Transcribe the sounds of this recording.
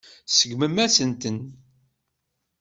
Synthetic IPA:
səɡməmæsənt̪ən

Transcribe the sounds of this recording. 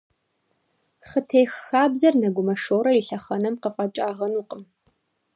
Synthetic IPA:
χətʰeːxːaːbzɐrnɐɡʷʊmɐʂoːɾɐjiɬɐχɐnɐmqəfʼɐt͡ʃʼaːʁɐnuːqəm

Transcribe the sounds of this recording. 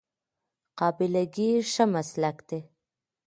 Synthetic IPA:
qɑbɪlaɡiʂəmaslakd̪e

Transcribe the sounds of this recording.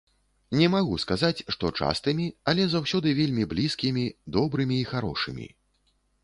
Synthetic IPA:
nʲɛmaɣuskazat͡sʲʂt̪ɔt͡ʂa̰st̪ɨmʲiɐlʲɛzawsʲɔd̪ɨvʲelʲmʲiblʲiskʲimʲid̪ɔbɾɨmʲiːxaɾɔ̰ʂɨ̰mʲḭ

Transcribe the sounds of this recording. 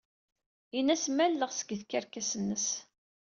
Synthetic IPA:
inæsmælːəʁsə̥ɡəθkːæɾkæsənːəs

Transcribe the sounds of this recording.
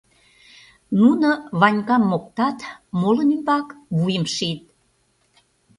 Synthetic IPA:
nunəβɑnʲkɑmːok̚t̪ɑt̪molə̆nymbɑkβujəmʃit̪̚

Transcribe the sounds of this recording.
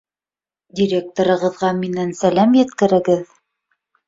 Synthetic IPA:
dʲiɾʲe̞k̚t̪oɾɤ̆ʁɤ̆ðʁɑminænsælæmjɘ̆t̪kɘ̆ɾɘ̆ɡɘð

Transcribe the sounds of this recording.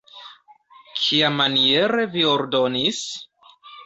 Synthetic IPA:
kʰiamanie̞ɾe̞vio̞ɾdo̞nis

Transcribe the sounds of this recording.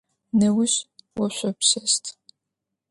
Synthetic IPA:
nɐwʊɕwɔɕʷɔpsɐstʰ

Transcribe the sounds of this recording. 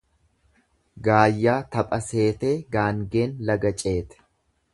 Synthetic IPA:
ɡaːjːaːt̪ɐpʼɐse̞ːt̪e̞ːɡaːŋɡe̞ːnlɐɡɐt͡ʃʼe̞ːt̪ɛ̥

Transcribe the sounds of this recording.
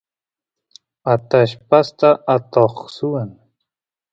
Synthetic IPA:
at̪aʃpast̪aat̪oχsuwan

